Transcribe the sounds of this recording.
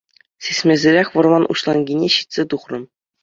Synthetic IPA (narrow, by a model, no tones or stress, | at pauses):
sʲesʲmʲĕzʲɘ̆ɾʲexʲʋɤ̆rmɑnʔṵɕlˠɑŋɡʲinʲeɕi̥t̪ʲsʲet̪uχrɤ̆m